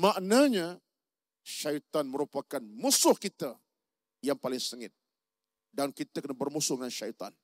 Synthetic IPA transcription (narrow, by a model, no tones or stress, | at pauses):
maʔnaɲa | ʃajt̪anməɾupakanmusʊhkit̪a | jaŋpalɪŋsəŋɪt̪̚ | dankit̪akənabərmusʊhdəŋanʃajt̪a̰n